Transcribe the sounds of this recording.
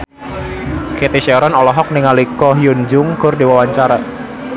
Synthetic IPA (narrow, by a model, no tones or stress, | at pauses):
ket̪iʃɛɾɔnɔlɔɦɔk̚niŋalikɔɦjʊnd͡ʒʊŋkʊrdiwawaɲt͡ʃaɾa